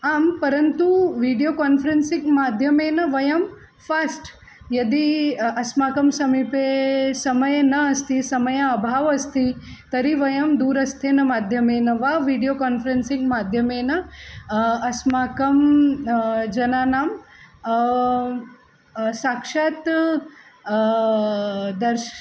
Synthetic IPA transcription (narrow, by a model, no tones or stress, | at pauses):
aːmpɐɾɐnt̪uʋiɖijokaːnfʰɾensĩŋɡmaːd̪ʱjɐmeːnɐʋɐjɐm | fʰasʈ | jɐd̪iɐsmaːkɐmsɐmipesɐmɐjɐnɐɐst̪ʰisɐmɐjɐɐbʱaːʋɐst̪ʰit̪ɐɾiʋɐjɐmd̪uːɾɐst̪ʰeːnɐmaːd̪ʱjɐmeːnɐʋaːʋiːɖijoːkaːnfɐɾensiŋɡmaːd̪ʱjɐmeːnɐ | ɐsmaːkɐm | d͡ʒɐnaːnaːm | saːkʂaːt̪ | d̪ɐɾ